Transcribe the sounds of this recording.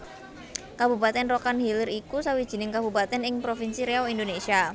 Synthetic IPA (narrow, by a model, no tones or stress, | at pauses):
kabṳpat̪ɛnrokanhiləɾikusawid̥ʒ̥i̤nɪŋkabṳpat̪ɛnɪŋpɾofinsiɾeɔind̪onesia